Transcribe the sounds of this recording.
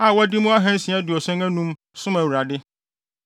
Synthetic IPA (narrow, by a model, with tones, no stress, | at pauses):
a˨wɔ˦dɪ˦mũ˦a˦ɦɛ̃˦n˦sĩ˨a˦dɪ˨ɔ˨sɛ̃˦ŋæ̃˦nũ˦m | sʊ̃˦mæ˨wu˨ɾa˨dɪ˦